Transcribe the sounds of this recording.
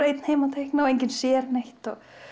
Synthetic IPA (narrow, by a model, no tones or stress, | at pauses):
ejt̪n̥heːjmat̪ʰejhknaɔejɲc̬ɪnsjɛːɾnejht̪ɔɣ